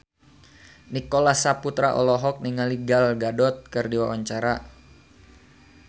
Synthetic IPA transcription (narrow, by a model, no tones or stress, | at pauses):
nikɔlasaput̪ɾaʔɔ̰lɔɦɔk̚niŋaliɡalɡadɔt̪̚kərdiwawaɲt͡ʃaɾa